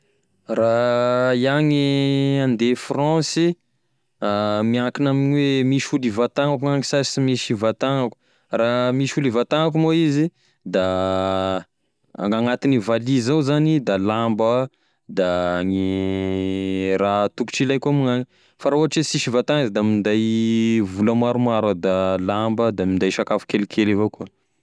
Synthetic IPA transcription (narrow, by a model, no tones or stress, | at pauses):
raiaŋiand̪efrɔ̃si | amiakinaminiwemiʃulivat̪aŋakuaŋisasimiʃivat̪aŋəku̥ | ramiʃulivat̪aŋakumoizi | d̪a | a̰ŋɡaŋat̪inivalizawzanid̪alambə | d̪aŋi | rat̪uku̥ʈ͡ʂilajkuamaŋaŋi | faɾauɦaʈ͡ʂesiʃivat̪aŋizid̪amind̪ajvulamaɾumaɾad̪alambəd̪amind̪ajʃakafu̥kelikʰelevaku